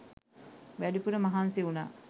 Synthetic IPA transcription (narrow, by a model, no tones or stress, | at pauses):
ʋæɖipuɾəmaɦanseuna̰ː